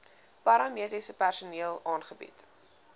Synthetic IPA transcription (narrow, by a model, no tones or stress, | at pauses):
pɐɾɑmiətisəpærsuniəlˠɑːnχəbḭt